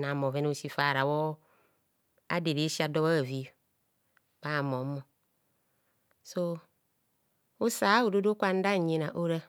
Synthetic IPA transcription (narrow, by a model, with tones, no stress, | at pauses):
na˨mɔ˨vɛ˦n˦o˦si˦fa˨ɾa˨wɔ˦ | a̰˦de˨ɾe˨˦si˦a˨dɔ˦βa˦˨vi˦˨ | ba˦˨mɔ˨˦mɔ˨ | so˦ | o˦saː˨˦o˨do˦do˦kʷa˦n̩˦da˦˨ɲe˨na˨ʔo˦ɾa˦